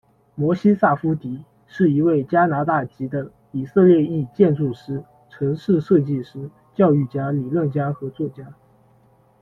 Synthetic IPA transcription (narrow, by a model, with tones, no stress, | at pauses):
mwɔ˧˥ɕi˥sa˥˩fu˥t̪i˧˥ | ʂɻ̩˥˩i˧˥we˥˩ɪt͡ɕja˥na˧˥t̪a˥˩t͡ɕi˧˥d̪ə˧ | i˨˩sɤ˥˧ljɛ˥˧i˥˧t͡ɕjɛ˥˧nʈ͡ʂu˥˩ʂɻ̩˥ | ʈ͡ʂʰɤ˧˥ŋʂɻ̩˥˧ʂɤ˥˧t͡ɕi˥˩ʂɻ̩˥ | t͡ɕjɑ˥˧ʊy˥˩t͡ɕja˥li˨˩lə˥˩nt͡ɕja˥xɤ˧˥t͡swɔ˥˩t͡ɕja˥